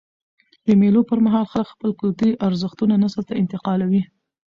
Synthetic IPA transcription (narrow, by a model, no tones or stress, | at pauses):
d̪əmelopəɾmaɦɑlxaləkxpəlkʊlt̪iʔaɾzəxt̪unanasəlt̪aɪnt̪ɪqɑlawi